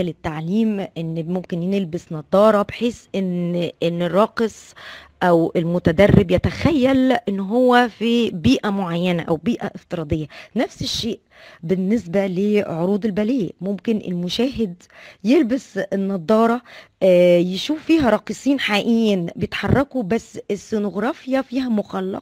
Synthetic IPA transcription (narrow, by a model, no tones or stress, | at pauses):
lɪt̪ːaʕliːmʔenːmomkɪnjnelbɪsnɑd̪ˤːɑːɾˤɑbeħeːsʔenʔenːɪrˤːɑːqesˤʔæwelmʊt̪æd̪ærːɪbjæt̪æxæjːælʔenːɦowːæfibiːʔæmoʕajːænæʔæwbiːʔæ̰ʔeft̪ɨɾˤɑːd̪ˤejːænæfseʃːeːʔ | bɪnːesbæleʕoɾuːd̪ˤelbæleːʔmomkɪnʔḛlmʊʃæːɦed̪ | jelbæsenːɑd̪ˤɑːɾˤɑː | jeʃuːffiːɦæɾˤɑːqesˤiːnħaʔiːnbejet̪ħɑrˤːɑkubæsːesːonoɣɾˤɑːfjɑfiːɦæmoxɑlːɑ̰q